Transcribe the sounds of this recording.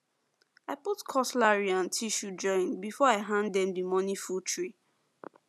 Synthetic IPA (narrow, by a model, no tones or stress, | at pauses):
aɪputkʰɔslaɹiãntʰiʃud͡ʒɔ̃ɪ̃nbifɔaɪɦãnddɛ̃mdimɔnifultʰɹi